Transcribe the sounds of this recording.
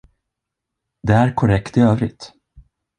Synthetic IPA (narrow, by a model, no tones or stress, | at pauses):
d̪ɛæɾkʰɔɾɛkt̪ɪøːvɾɪ̰t̪